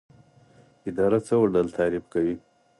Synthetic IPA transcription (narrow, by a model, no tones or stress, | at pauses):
ɪd̪ɑɾat͡səwəɖəlt̪ʰɑɾɪbkawi